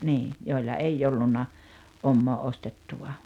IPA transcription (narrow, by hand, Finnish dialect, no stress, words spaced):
niː joˑilːɑ eijː olːunːɑ omːoː ostetːuʋɑ